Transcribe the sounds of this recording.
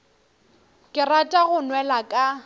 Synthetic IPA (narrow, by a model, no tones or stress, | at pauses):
kʼɪratʼaɣʊnwɛlakʼa